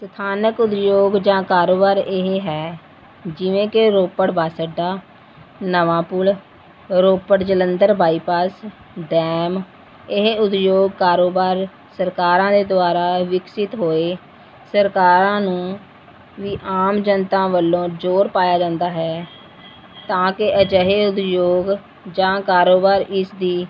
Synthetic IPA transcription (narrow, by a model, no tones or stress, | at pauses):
st̪ʰaːnəkʊd̪joːɡd͡ʒãːkaːɾoːbaːɾɪɦeːɦɛː | d͡ʒɪʋẽːkɪɾoːpəɽbaːsəɖaː | nəʋãːpʊl | ɾoːpəɽd͡ʒələnd̪əɾbʱaːiːpaːs | ɖɛːm | ɪɦeʊd̪joːɡ̚kaːɾoːbaːɾ | səɾkaːɾãːd̪eːd̪ʊaːɾaːʋɪksɪt̪ɦoːeː | səɾkaːɾãːnũː | ʋiːʔaːmd͡ʒənt̪ãːʋəlːõːd͡ʒoːɾpaːjaːd͡ʒãːnd̪aːɦɛː | t̪ãːkɪʔəd͡ʒəɦeːʊd̪joːɡ | d͡ʒãːkaːɾoːbaːɾɪsd̪iː